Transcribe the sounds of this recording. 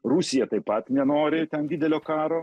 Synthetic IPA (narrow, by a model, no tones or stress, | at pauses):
ɾusʲijɛt̪ɐɪpɐt̪mʲɛnoːɾʲɪt̪ʲɛnd̪ʲiːd̪ʲɛlʲoːkɑːɾo